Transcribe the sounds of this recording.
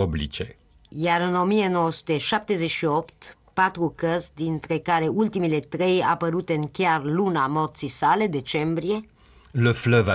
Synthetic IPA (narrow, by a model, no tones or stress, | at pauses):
oblḭt͡ʃe | jaɾɨno̞mijeno̞wəsu̥t̪eʃap̚t̪e̞ze̞ʃio̞pt̪ | pat̪ɾukəsd̪int̪ɾe̞kaɾe̞ult̪imile̞t̪ɾe̞ja̰pəɾut̪eɨŋkʲearlunamo̞rt̪sisale̞d̪e̞t͡ʃe̞mbɾije̞ | ləfləva